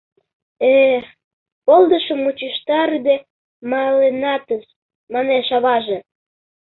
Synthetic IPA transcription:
e | pold̪əʃə̆mːut͡ɕiʃt̪ɑɾyd̪e | mɑlenɑt̪əʃ | mɑneʃɑβɑʒe

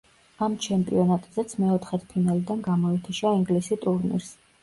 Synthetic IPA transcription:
amt͡ʃʰɛmpʼḭɔnat̪ʼzɛt̪sʰmɛɔt̪ʰχɛt̪ʰpʰinalid̪anɡamɔɛt̪ʰiʃaiŋɡlisit̪ʼuɾnḭɾs

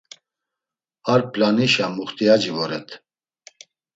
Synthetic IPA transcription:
aɾpʰʼlaniʃamuχt̪ʰʼiad͡ʒivɔɾɛt̪ʰ

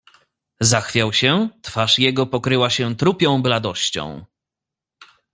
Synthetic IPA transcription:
zaxfʲjawɕɛt̪faʂjɛɡɔpɔkɾɘwaɕɛt̪ɾupʲjɔ̃w̃blad̪ɔɕt͡ɕɔ̰̃w̃

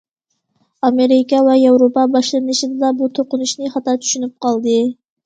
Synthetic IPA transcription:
ɑmeɾɪkɑwɛjɑwɾopɑbɑʃlˠɨnɨʃɨd̪ɨd̪ɑbut̪ʰoqʊnuʃnɨχɑt̪ɑt͡ʃ̪ʰy̥ʃynyp̚qʰɑlˠd̪ɨ

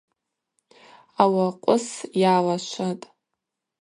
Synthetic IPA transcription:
awaqʷʼʊsjaːlaʃʷʰatʼ

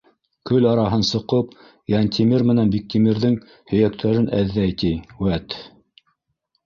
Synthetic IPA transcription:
kɵlɑɾɑɦɤnsɤ̆qɤp | jɑnʲt̪ʰʲimiɾmɘ̆nænbik̚t̪imiɾðɘŋ | hɵ̆jækt̪ʰæɾɘnʔæ̰ðːæjt̪ijwæt̪

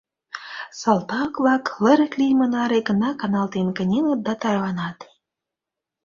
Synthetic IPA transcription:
sɑlt̪ɑkvɑklə̆ɾə̆k̪lʲijmɤ̆nɑɾeɡə̆nɑkɑnɑlt̪enkə̆nʲenə̆t̪̚d̪ɑt̪ɑrvɑnɑt̪

